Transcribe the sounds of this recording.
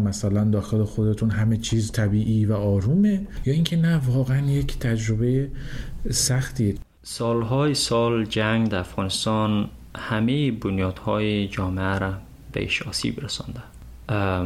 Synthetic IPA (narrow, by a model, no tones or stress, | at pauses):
mæsælænd̪ɒːxe̞lexo̞d̪e̞t̪ʰunɦæme̞t͡ʃʰiːzt̪ʰæbiːʔivæɒːɾuːmejɒːiŋkʰenævɒːɣeænje̞cʰt̪ʰæd͡ʒɾobeje | sæxt̪ʰie | sɒːlɦɒːjesɒːld͡ʒæŋɡd̪ææfɣɒːnest̪ɒn | hæmejibonjɒːd̪̥hɒːjed͡ʒɒːmeæɾæ | bḛʔḭʃɒːsḭbɾæsɑ̰nd̪æ